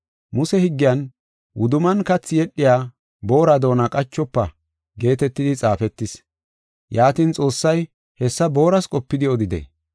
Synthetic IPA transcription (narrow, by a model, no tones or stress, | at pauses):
mʊsɛhɪɡːɪjɐn | wʊd̪ʊmɐnkɐt͡sːɪjɛɗːɪjaː | bo̞ːɾɐd̪o̞ːnɐkʼɐt͡ʃːɔpːɐ | ɡe̞ːt̪ɛt̪ːɪd̪ɪt͡sʼaːfɛt̪ːɪs | jaːt̪ɪnt͡sʼo̞ːsːɐj | hɛsːɐbo̞ːɾɐskʼɔpːɪd̪ɪɔd̪ɪd̪ḛ